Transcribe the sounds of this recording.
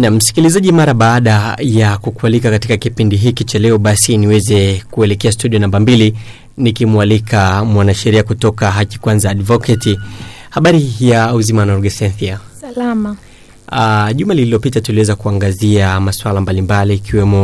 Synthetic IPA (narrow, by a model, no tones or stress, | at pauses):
nam̩m̩si̥kilizaʄimaɾaɓaːɗajakukualikakatikakipindiɦikit͡ʃalɛɔɓasiniwɛzɛkuɛlɛkɛastuɗiɔnambambili | nikimualikʰamwanaʃɛɾiakutɔkaɦaki̥kwanzaːɗvɔkɛtihaɓaɾijauzimanɔɾɡɛsɛnθia | lama | aʄumalililɔpitatuliwɛzakuaŋɡaziamaswalambalimbaliːkiwɛmɔ